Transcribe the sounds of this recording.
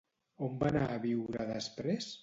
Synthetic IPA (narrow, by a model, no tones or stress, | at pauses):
ombanaːβiwɾəðəspɾes